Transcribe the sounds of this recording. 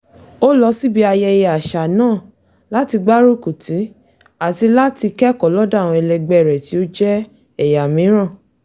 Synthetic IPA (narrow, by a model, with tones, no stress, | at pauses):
o˦lɔ˧si˦bi˦a˧jɛ˧ja˨ʃa˨nãː˦˨ | la˨˦ti˧ɡ͡ba˦ɾo˦ku˨tʰi˨˦ | a˦˨ti˧la˦ti˧kɛ˦kɔ˨lɔ˦da˦˨w̃ɔ̃˧ɛ˧lɛ˧ɡ͡bɛ˦˨ɾɛ˨ti˨˦o˦d͡ʒɛ˦ | ɛ˦˨ja˨mĩ˨˦ɾ̃ã˦˨